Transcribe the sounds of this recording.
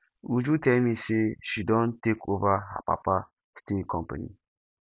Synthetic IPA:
ud͡ʒutɛmiseʃidɔ̃ntekʰovaɦa̰pa̰pa | stekʰɔ̃mpanḭ

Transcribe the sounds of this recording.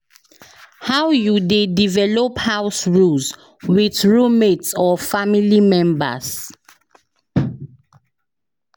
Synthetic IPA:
hawjudedivɛlɔphawsɹuls | wiθɹumetsɔfamilimɛ̃mbə̰s

